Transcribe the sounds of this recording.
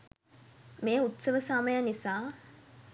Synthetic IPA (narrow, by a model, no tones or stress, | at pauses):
meːut̪səʋəsaməjanisaː